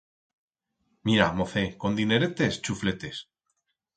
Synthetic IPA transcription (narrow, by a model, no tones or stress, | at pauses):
miɾamoθeko̞nd̪ine̞ɾet̪e̞st͡ʃufle̞t̪e̞s